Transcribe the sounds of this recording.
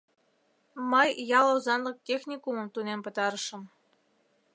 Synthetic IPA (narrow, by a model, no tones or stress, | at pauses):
məjːɑlˠouzɑnlə̆k̚t̪ʲexnʲikumɤ̆mt̪unempɤ̆t̪ɑɾə̆ʃə̆m